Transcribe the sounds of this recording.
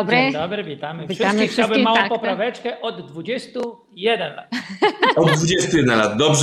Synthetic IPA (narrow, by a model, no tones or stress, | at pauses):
bɾɛd̪ɔbɾɪvʲit̪amɘviʂʂamifʂawbɘmaw̪ɔ̃pɔpɾavɛt͡ʂkɛʔɔd̪ːvud͡ʑɛst̪u | jɛd̪ɛnla̰t̪ɔd̪ːd̪vud͡ʑɛst̪ujɛd̪ɛnlad̪d̪ɔbʐ